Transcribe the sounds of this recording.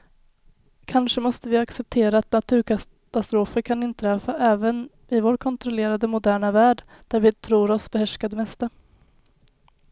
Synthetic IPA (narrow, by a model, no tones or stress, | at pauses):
kʰanʂəmɔst̪əvɪaksɛp̚t̪ʰeːɾaːt̪nat̪ʰʉ̟ːɾkʰa | t̪ast̪ɾoːfəɾkʰanɪnt̪ʰɾɛːfaʔɛːvən | ɪvoːɾkʰɔnt̪ɾɔleːɾad̪əmʊd̪æːɳavæːɖ | d̪̥æɾvɪt̪ʰɾuːɾɔsbɛhæʂkad̪mɛst̪a